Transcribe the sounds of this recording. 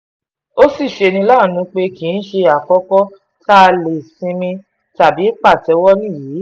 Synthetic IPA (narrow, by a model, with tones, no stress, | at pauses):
o˦si˦˨ʃe˧nĩ˧la˦˨nũ˨˦k͡pe˧ki˨˦n̩˦ʃe˧a˨kɔ˦kɔ˦ | ta˦˧le˨sĩ˧mĩ˧ | ta˨bi˨˦k͡pa˦˨tɛ˨˧wɔ˦nĩ˦˨jiː˨˦